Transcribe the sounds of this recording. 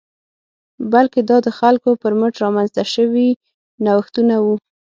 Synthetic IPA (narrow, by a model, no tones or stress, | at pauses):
balked̪ɑd̪əxalkopəɾməʈɾɑmanzt̪aʃəwi | nawaxt̪unawu